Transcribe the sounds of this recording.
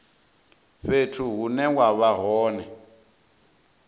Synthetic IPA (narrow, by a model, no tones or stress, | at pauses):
ɸetʰuɦunɛwaβaɦɔːnɛ